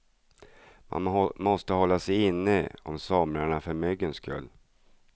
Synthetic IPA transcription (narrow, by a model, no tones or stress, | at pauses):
mʔa̰mɔst̪əhɔlːasɛjɪnːəɔ̰msɔmɾaɳafœɾmʏɡːənskʰɵ̰lː